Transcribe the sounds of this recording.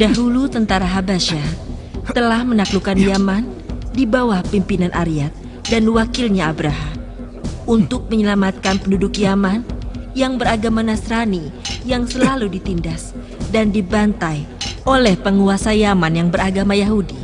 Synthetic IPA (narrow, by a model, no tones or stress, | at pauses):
daɦulut̪ənt̪aɾaɦabaʃa | t̪əlahmənaklukanjaman | dibawahpimpinanʔaɾiat̪̚ | danwakilɲaːbɾaɦam | unt̪ʊk̚məɲəlamat̪̚kanpəndudʊkjamanjaŋbəɾaɡamanasɾanijaŋsəlaludit̪indas | dandibant̪ajolɛhpəŋuasajamanjaŋbəɾaɡamajaɦudi